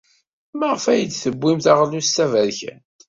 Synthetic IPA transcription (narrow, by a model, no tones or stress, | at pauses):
maʁəfæjəd̪θəbːimθaʁlustːævæɾçæ̰n